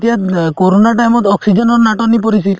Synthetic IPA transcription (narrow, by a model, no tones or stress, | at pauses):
t̪iakoɾonaʈajmɔt̪ɔksid͡ʒɔnɔɾnaʈɔnːipɔɾisil